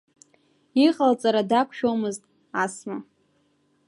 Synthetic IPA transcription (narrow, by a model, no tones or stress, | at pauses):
iχalt͡sʼaɾadakʷʰʃᶣomɨztʼ | asma